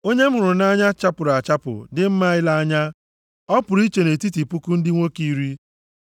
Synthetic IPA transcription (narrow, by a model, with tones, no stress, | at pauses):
o˦ɲe˦m̩˦ʊ˨ɾʊ˨na˦ɲa˦t͡ʃa˦pʊ˨ɾa˨t͡ʃa˦pʊ̰˨dɪ˦m̩˦ma˦ɪ˦la˦a˦ɲa˦ | ɔ˦pʊ˨ɾi˦t͡ʃe˨ne˨ti˦ti˨pu˦ku˦n̩˦dɪ˦ŋʷo˦ki˦ɾi˦